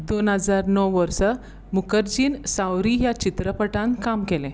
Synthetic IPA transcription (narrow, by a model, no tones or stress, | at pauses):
d̪onɦəd͡zaɾnɔwʋəɾsə | mukəɾd͡ʑiːnsawɾijat͡ɕit̪ɾəpəʈãnt̪kamkelẽ